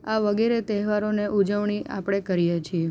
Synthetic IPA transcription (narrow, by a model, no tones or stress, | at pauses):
aʋəɡeɾet̪ɛɦʋaɾoneʔud͡ʒəʋɳ̃iʔa̰pɽ̃ekəɾijet͡ʃʰie